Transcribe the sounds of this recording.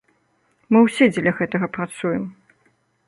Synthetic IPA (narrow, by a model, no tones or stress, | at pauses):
mɨwsʲɛd͡zʲɛlʲɐɣɛt̪ɐɣɐpɾat̪sujɛm